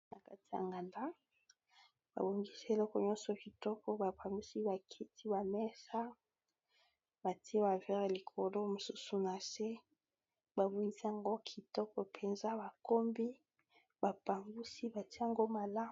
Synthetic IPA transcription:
na˨ka˦ti̥˨ja̰˨ŋɡa˨nda˦ | b̥a̰˨bo˨ŋɡi˦se˨lɔ˦kɔ˨ɲɔ̃˦nsɔ˨ki˨tɔ˦kɔ˦ba˨pa˨mbu˦si˦ba˨kʰi˦tʰi˦ba˨mɛ˦sa˦ | ba˨ti˦e˦ba˨vɛ˦ʁe˨li˨kʰo˨lo˦mo˨su˦su˨na˨se˦ | ba˨bo˨ŋɡi˦si˦a˨ŋɡo˦kʰi˨tɔ˦kɔ˨pʰe˨nza˦ba˨ko˦mbi˦ | ba˨pa˨mɡu˦si˦ba˨ti˦a˨ŋɡo˦ma˨la˦

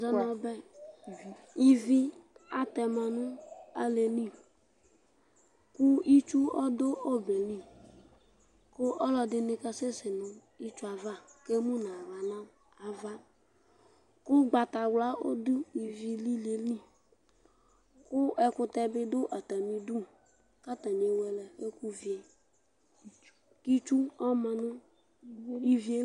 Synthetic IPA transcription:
zɔ˦nã˨bɛ˦˨ | i˨vi˦a˨t̪ɛ˨mã˨nʊ̃˦a˦le˨li˦˨ | kʊ˦i˦t͡ʃu˦ɔ˦dʊ˦o˦be˨li˦ | kʊ˦ʔɔ˦lɔ˨dɪ˨nɪ̃˨ka˦se˦sɪ˨nʊ̃˨ | i˦t͡ʃu˦a˨va˦ke˦mũ˦nã˨ɾa˨nã˦ | a˨va˦ | kʊ˦ɡ͡ba˨t̪a˨wla˦o˦d̪ʊ˦i˨vi˨li˦le˨li˦˨ | kʊ˦ɛ˦kʊ˦t̪ɛ˦bɪ˦d̪ʊ˦ʔa˨t̪a˨mĩ˨du˦ | ka˦t̪a˨ɲe˨wɛ˨lɛ˨e˦ku˦vi˨e˨ | ki˦t͡ʃu˦ɔ˦mã˨nʊ̃˦ | i˦vi˦e˦

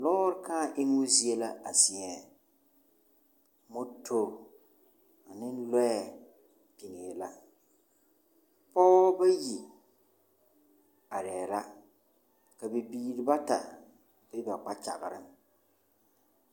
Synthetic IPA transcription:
lɔː˦ɾɪ˦ka˦˨ʔɪ˦ŋ˦ʊ˦zi˦e˦la˦a˨sɪ˨ɛ˨ | mʊ˦tʰo˦ | a˨nɪ˦n˦lɛ˦ɛ˨ | pi˨nɪ˨la˦ | pɔ˦ba˦ji˨ | a˨ɾɛː˨ɾa˦ | ka˨bɪ˨biː˦˨ɾɪ˨ba˦ta̰˨ | bɪ˦ba˨k͡pa˦t͡ʃa˨ɣɪ˨ɾɪ̰˦m

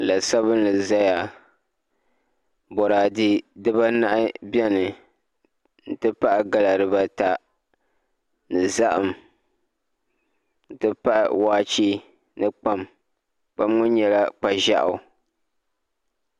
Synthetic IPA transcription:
la˨sa˦βɨ˦n˦ɨ˨za˦ja˨ | bɔ˨ɾaː˨di˦dɨ˦ba˦na˦ʔɪ˦bjɛ˦nɨ˨ | n̩˨tɨ˦pa˦ʔa˨ɡa˦la˨ɾɨ˨ba˦ta˨ | nɨ˨za˦ʔa˨m | n̩˨tɨ˦pa˦ʔwaː˦t͡ʃiː˦ | nɨ˦k͡pa˦m | k͡pa˦mŋʊ˦n˦ɲɛ˨la˦k͡pa˨ʒa̰˦ʔa̰˨˦˨

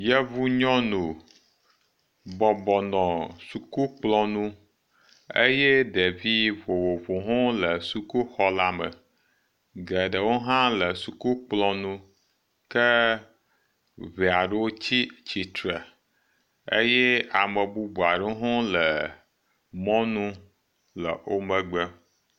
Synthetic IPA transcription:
jə˦vu˦ɲɔ̃˦nu˨ | bɔ˨bɔ˨nɔ̃˨su˨ku˦k͡plɔ̃˦nũ˦ | e˦jɛ˦ɖe˨vi˦vo˨wo˨vo˨ɦo˦lə˨su˨ku˦xɔ˦la˦mə̰˨ | ɡɛ˨ɖə˨wo˦ɦã˦lə˨su˨ku˦k͡plɔ̃˦nũ˦ | kə˦ | βe˨a˨ɖə˦wo˦t͡ɕi˦t͡ɕi˨t̪ɾɛ˨ | ḛ˦jɛ˦a˨mə˨bu˦bu˨a˨ɖo˦ɦɔ̃˦lə˨ | mɔ̃˦nũ˦ | lə̰˨wo˦mə˦ɡ͡bə˦

